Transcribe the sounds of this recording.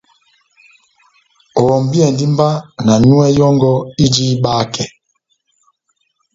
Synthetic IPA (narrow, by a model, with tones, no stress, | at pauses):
ɔ˨m˨bi˦ɛ˨ndi˦mba˦na˨nu˦ɛ˦jɔ˦ŋɡɔ˦i˦d͡ʒi˦ɓaː˦kɛ˨